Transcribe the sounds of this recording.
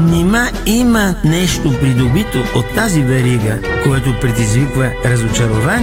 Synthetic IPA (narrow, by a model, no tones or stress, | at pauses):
nimaimɐnɛʃt̪opɾid̪obit̪oot̪ːazivɛɾiɡəkoɛt̪opɾɛd̪izvikvəɾɐzot͡ʃɐɾovan